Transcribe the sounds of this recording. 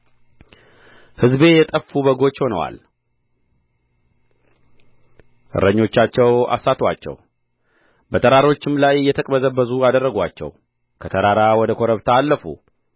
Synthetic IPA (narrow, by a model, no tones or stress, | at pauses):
hɨzbe̞jɛt̪ʼəfːubəɡo̞t͡ʃːho̞nə̰wa̰l | ʔɨ̰ɾəɲːo̞t͡ʃːat͡ʃːɛwa̰sːat̪ʰwat͡ʃːɛ̰w | bət̪ʰəɾaɾo̞t͡ʃːɪmlajɪjːɛt̪ʰəkʼbəzəbːəzuad̪ərːəɡʷat͡ʃːɛ̰w | kʰət̪ʰəɾaɾawɔd̪əkʰoɾəβt̪ʰaːlːəfṵ